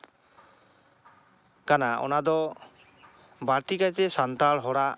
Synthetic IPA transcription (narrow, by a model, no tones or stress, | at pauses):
kanaɔ̰nad̪ɔ | baɾt̪ikajt̪ɛsant̪aɭɦɔɽa